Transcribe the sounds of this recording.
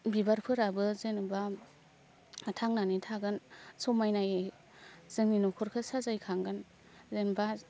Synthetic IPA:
bibaɾpʰɯɾabɯzenɯba | tʰaŋnanitʰaɡɯnsɔmajnaje | z̥ɯŋninɔkʰɔɾkʰɯsazajkʰaŋɡɯn | zenba

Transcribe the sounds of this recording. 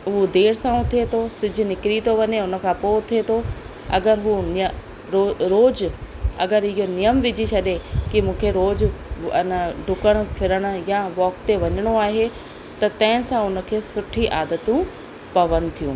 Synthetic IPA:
ʊɦod̪eːɾsãːũt̪ʰiet̪ʰosʊd͡ʑʱʊ̆nɪkɾit̪ʰoʋɐɲeʊnə̆kʰãːpoːt̪ʰiet̪ʰo | ɐ̰ɡəɾɦuːn | ɾoɾoːd͡ʑɐɡəɾɪɦonijəmʋɪd͡ʑit͡ɕʰɐɗekimũːkʰeɾoːd͡ʑɪnəɖʱʊkəɽ̃̆fʰɪɾəɽ̃ʊ̆jaʋɔːkt̪eʋɐɲəɽ̃oaːɦe | t̪ɐt̪ɐ̃ɦɪ̃sãʊnə̆kʰeːsʊʈʰiʔaːd̪ət̪ũ | pɐʋənd̪t̪ʰijũː

